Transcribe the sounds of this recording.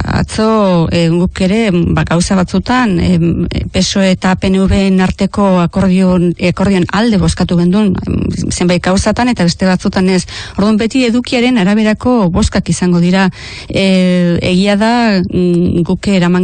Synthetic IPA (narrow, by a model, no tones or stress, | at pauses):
a̰t͡so̞ɡuke̞ɾe̞baɡawsaβat͡sut̪an | pe̞soe̞t̪ape̞neuβenaɾt̪e̞ko̞ɾko̞ɾðio̞nald̪e̞βo̞skat̪uβe̞nd̪unse̞mbajt̪̚ɡ̥awsat̪ane̞t̪aβe̞st̪e̞βat͡sut̪ane̞soɾðumbe̞t̪ie̞ðukiaɾe̞naɾaβ̞e̞ɾako̞βo̞skakisaŋɡo̞ðiɾa | e̞̰ɣ̞iaða | ɡukeɾamaŋ